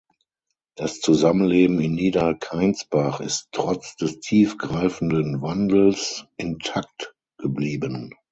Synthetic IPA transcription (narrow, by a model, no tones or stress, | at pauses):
d̥ast͡suzamənleːbm̩ɪnːiːdɐkʰaɪnt͡sb̥aχɪstʁ̥ɔt͡sd̥ɛstʰiːfɡ̥ʁaɪfn̩dənvandl̩sʔɪntʰak̚t | ɡ̥əbliːbən